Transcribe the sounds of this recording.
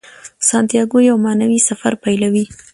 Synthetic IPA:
sɑnt̪ijɑɡojawmɑnawisafa̰ɾpajlawi

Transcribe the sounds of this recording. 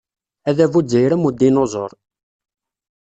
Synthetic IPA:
æðævud͡zːəjɾəmud̪ːinozˤoɾˤ

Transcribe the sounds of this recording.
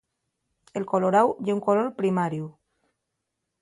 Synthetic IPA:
elkoloɾawjeuŋkoloɾpɾimaɾju

